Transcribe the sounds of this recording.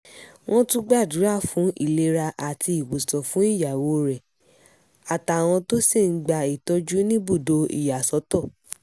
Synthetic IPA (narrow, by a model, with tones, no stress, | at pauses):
w̃ɔ̃˦tũ˦ɡ͡ba˦˨dũ˨˦ɾa˦˨fũ˨˦i˦˨le˧ɾa˧ʔa˨ti˧i˨ɡ͡bo˨sɔ˨fũ˨˦i˦˨ja˨wo˧˦ɾɛ˨ | a˨ta˨w̃ɔ̃˧to˦si˦˨ŋ̩˦ɡ͡ba˧i˨tɔ˦d͡ʒu˦nĩ˦bu˦˨do˧ḭ˨ja˨sɔ˨˦tɔ˦˨